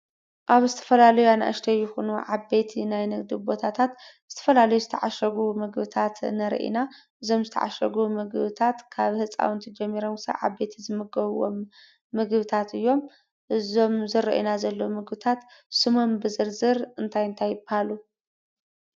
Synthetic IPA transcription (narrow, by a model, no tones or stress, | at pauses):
ʔaβzɨt̪ʰɐ̥fɐlalɐjuana̰ʔɐ̰ʃt̪ʰɐjːɪxunuʕabe̞t̪ʰinajnɨɡd̪ibo̞t̪ʰat̪ʰat̪z̥ɨt̪ʰɐ̥fɐlalɐjuzɨt̪ʰɐʕaʃɐɡumɨɡbɨt̪ʰat̪nɐɾ̰ʔḭnaʔɨzo̞mzɨt̪ʰɐ̰ʕa̰ʃɐɡumɨɡbɨt̪ʰat̪kʰaβhɨt͡sʼa̰wnt̪ʰɐd͡ʒɛmːiɾomkʰɨsa̰ʕa̰be̞t̪ʰizɨmɨɡɐβwo̰mː | ɨɡβɨt̪ʰat̪ɨjːo̞m | ʔɨzo̞mzɨɾɐ̰ʔḭnazɐlːomɨɡbɨt̪ʰat̪sɨmombɨzɨɾzɨɾɨnt̪ʰajɨnt̪ʰajːɪbahalu